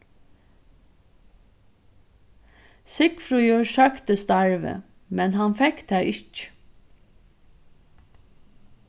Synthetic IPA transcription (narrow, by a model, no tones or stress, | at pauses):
sɪkfɾujəʃœkt̪əst̪ɑɹʋə̰ | mɛnɦɑnfɛkt̪ʰæʔɪt͡ʃ